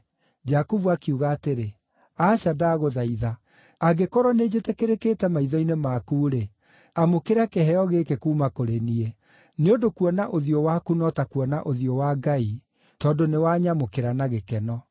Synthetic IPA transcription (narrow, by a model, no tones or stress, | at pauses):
d͡ʒakuvuakiuɣaːteɾe | aːɕadaːɣoðaiða | aɡekɔɾɔned͡ʑetekeɾekeːtɛmaiðɔinemakuːɾe | amokeɾakeɦɛɔɣekekuːmakoɾenie | neodokuɔnaʔoðiɔwakunɔtakuɔnaʔoðiɔwaɡai | tɔːndonewaɲamokeɾanaɣekɛnɔ